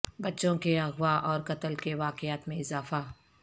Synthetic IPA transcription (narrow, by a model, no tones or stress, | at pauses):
bɐtːʃõkeɐɣwaʔɔːɾkɐt̪əlkeʋaːqɪaːt̪mẽɪzaːfa